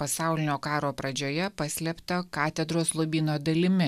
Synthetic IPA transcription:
pɐsɑˑʊlʲɪnʲoːkɑːɾoːpɾɐd͡ʒʲoːjɛpɐsʲlʲɛpt̪ɐkɑːt̪ʲɛd̪ɾoːslˠʊʋʲiːnoːd̪ɐlʲɪmʲɪ

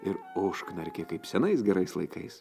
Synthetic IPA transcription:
ɪɾoːʃknʲɐɾʲkʲekɐɪpsʲɛnɐɪsɡʲɛɾɐɪslˠɐɪkɐɪs

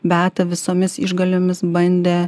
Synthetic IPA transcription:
bʲæːt̪ɐʋʲɪsoːmʲɪsɪ̰ʒɡɐlʲoːmʲɪsbɐnʲd̪ʲeː

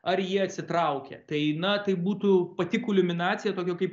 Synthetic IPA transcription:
ɐrjiɛɐt̪ʲsʲɪt̪ɾɐʊkʲɛ̰t̪ɐɪnɐt̪ɐɪbuːt̪upɐt̪ʲɪkʊlʲʊmʲɪnɑːtt͡sʲsʲɪjɛt̪oːkʲɛkɐɪp

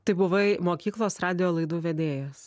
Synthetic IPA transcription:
t̪ɐɪbʊʋɐɪmoːkʲiːklˠoːsɾɑːd̪ʲɪjoːlˠɐɪd̪uːʋʲɛd̪ʲeːjɛs

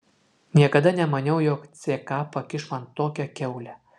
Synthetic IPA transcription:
nʲiɛkɐd̪ɐnʲɛmɐnʲɛʊjoːkt̪sʲeːkɑːpɐkʲɪʃmɐnt̪ːoːkʲɛkʲɛʊlʲɛ

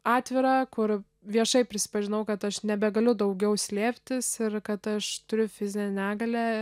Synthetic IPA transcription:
ɑːt̪ʲʋʲɪɾɑːkʊr | ʋʲiɛʃɐɪpʲɾʲɪsʲɪ̥pɐʒʲɪnɐʊkɐt̪ɐʃnʲɛbʲɛɡɐlʲʊd̪ɐʊɡʲɛʊsʲlʲeːpʲt̪ʲɪsɪɾkɐt̪ɐʃt̪ʊɾʲʊfʲɪzʲɪnʲɛnʲæːɡɐlʲæ

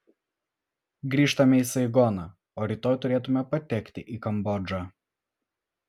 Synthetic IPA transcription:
ɡɾʲiːʃt̪ɐmʲɛisɐɪɡɔnɐ | oːɾʲit̪oːjt̪ʊɾʲeːt̪̬ʊmʲɛpɐt̪ʲɛkʲt̪ʲɪʔiːkɐmbɔd͡ʒaː

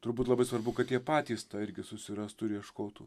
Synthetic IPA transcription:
t̪ʊɾbuːt̪lˠɐbɐɪsʋɐɾbʊkɐt̪jʲiɛpɑːt̪ʲiːst̪ɑːɪɾʲɡʲɪsʊsʲɪɾɐst̪ʊɾʲiɛʃkoːt̪uː

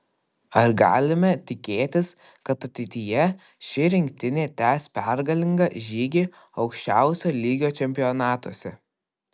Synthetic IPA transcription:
ɐɾɡɑ̰ːlʲɪmʲɛt̪ʲɪkʲeːt̪ʲɪs | kɐt̪ɐt̪ʲɛɪt̪ʲɪjɛ | ʃʲɪɾʲɪŋʲk̚ʲt̪ʲɪnʲeːt̪ʲæːspʲɛɾɡɐlʲɪŋɡɐʒʲiːɡʲiː | ɒʊkʃʲt͡ʃʲæˑʊsʲoːlʲiːɡʲoːt͡ʃʲɛmʲpʲɪjɔnɑːt̪oːsʲɛ

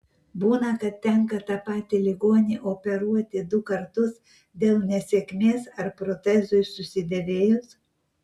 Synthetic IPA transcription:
buːnɐkɐt̪ʲtʲːɛŋkɐt̪ɑpɑːt̪ʲɪlʲɪɡoːnʲiʔoːpʲɛɾuɔt̪ʲɪd̪ʊkɐɾt̪ʊs | d̪ʲeːlˠnʲɛsʲeːkʲmʲeːsɐɾpɾoːt̪ʲɛzʊɪsʊsʲɪd̪ʲɛʋʲeːjʊs

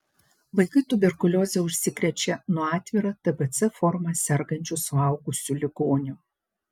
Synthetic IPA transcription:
ʋɐɪkɐɪt̪ʊbʲɛɾkʊlʲoːzʲɛʊʃʲsʲɪkɾʲɛt͡ʃʲɛnʊɔɑːt̪ʲʋʲiːɾɐt̪ɐbɛt̪sɛfɔɾmɐsʲɛɾɡɐnʲt͡ʃʲʊsʊɑˑʊɡʊsʲuːlʲɪɡoːnʲʊ

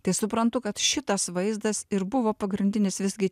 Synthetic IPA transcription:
t̪ɐɪsʊpɾɐnt̪ʊkɐt̪ʃʲɪt̪ɐsʋɐɪzd̪ɐsɪɾbʊʋoːpɐɡɾʲɪnʲd̪ʲɪnʲɪsʋʲɪzʲɡʲɪ

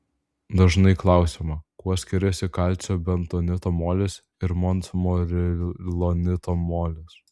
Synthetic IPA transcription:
d̪ɐʒnɐɪklˠɑˑʊsʲimɐkuɔsʲkʲɪɾʲɛsʲɪkɐlʲt͡ʃ̪ʲoːbʲɛnt̪oːnʲɪt̪oːmoːlʲes | ɪɾmɔnt̪smoɾʲɪlˠonʲɪt̪oːmoːlʲɪs

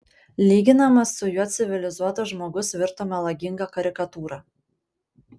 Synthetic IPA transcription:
lʲiːɡʲɪnɐmɐsːʊjuɔt̪sʲɪʋʲɪlʲɪzuɔt̪ɐʒmoːɡʊsʋʲɪɾt̪omʲɛlˠɐɡʲɪŋɡɑkɐɾʲɪkɐt̪uːɾɑ

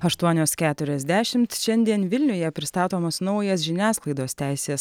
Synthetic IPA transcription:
ɐʃt̪uɔnʲoːskʲæːt̪ʊɾʲɛzʲd̪ʲæːʃʲɪmt̪ʃʲɛnʲd̪ʲiɛnʋʲɪlʲnʲʊjɛpʲɾʲɪst̪ɑːt̪oːmoːsnɔʊjɛs̬ʒʲɪnʲæːsklˠɐɪd̪oːsʲt̪ʲæˑɪsʲeːs

